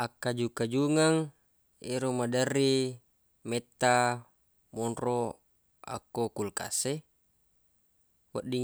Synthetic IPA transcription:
akːad͡ʒukːad͡ʒuŋaŋ | eɾomadarːi | met̪ːa | mɔnro | a̰kːokulka̰se | waʔdiŋ

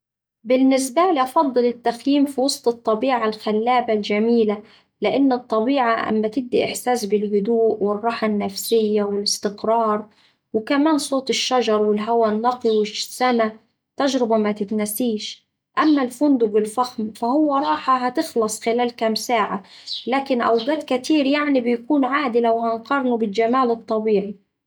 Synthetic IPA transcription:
bɪnːɪs̬baliʔɑfɑd̪ˤːɨlɪt̪ːaxjiːmfiwɑsˤt̪ˤɨt̪ˤːɑbiːʕalxalːaːbald͡ʒamiːla | lɪʔanːɨt̪ˤːɑbiːʕaʔa̰mːat̪ɪb̚d̪iʔɪħsaːsbɪlhʊd̪uːʔwɪrˤːɑːħanːafsɪjːawɪlɪst̪ɪqɾˤɑːɾˤ | wɪkamaːnsˤoːt̪ˤɪʃːad͡ʒɑɾˤwɪlɦawanːɑqiwɪʃsːana | t̪aʒɾɪbamat̪ɪt̪nasiːʃ | ʔamːalfʊnd̪ʊɡɪlfaxmfahʊwːaɾˤɑːħaɦat̪ɪxlɑsˤxɪlaːlkamsaːʕalaːkɪnʔa̰wɡ̪aːd̪kat̪iːɾjaʕnibɪjkuːnʕaːd̪ɪlawhanqɑɾˤnubɪld͡ʒamaːlɨt̪ˤːɑbiːʕi

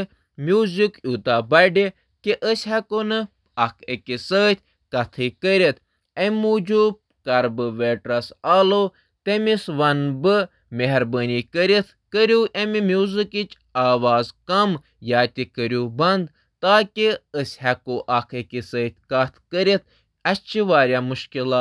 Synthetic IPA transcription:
mjuːzikut̪aːbɐɖe | kiʔəsʲhɐkonɨ | ɐkʰekʲisəːt̪ʰʲ | kɐt̪ʰɨːkəɾʲet̪ʰ | emuːd͡ʒub̚ | kɐɾbɨʋeːʈɾɐsaːlo | t̪emisʋɐnbɨ | meɦɾbəːniːkəɾit̪ʰkəɾʲuːʔɐmimʲjuːzɨkit͡ʃ | aːʋaːzkɐm | jaːt̪ʲikəɾʲuːbɐnd̪ | t̪aːkʲiəsʲhɐkoʔɐkʰekʲisəːt̪ʲkɐt̪ʰkəɾit̪̚ʰ | ɐt͡ʃʰiʋaːɾʲjaːmuʃkilaː

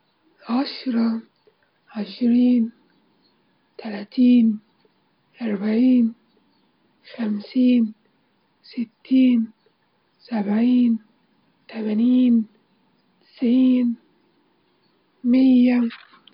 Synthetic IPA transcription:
ʕaʃɾˤɑ | ʕaʃɾːn | t̪alaːt̪iːn | ʔaɾˤbaʕiːn | xamsiːn | sɪt̪ːiːn | sabʕiːn | t̪amaniːn | t̪ɪ̥sʕiːn | mɪjːa

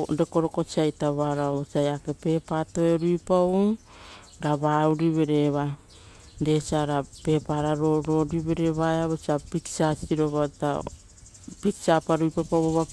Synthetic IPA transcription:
ɾeko̞ɾoko̞t͡ʃiajtaβaɾaoot͡ʃiajake̞pe̞patoeɾujpaw | ɾaβauɾiβe̞ɾe̞βa | desiaɾape̞paɾaɾoɾo̞ɾiβe̞ɾeβaeaβot͡ʃiapitsasiɾoβata̰ | pitsapaɾujpapawoβa

